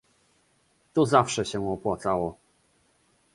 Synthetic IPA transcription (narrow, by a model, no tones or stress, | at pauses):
t̪ɔzafʂɛɕɛɔpwat̪sawɔ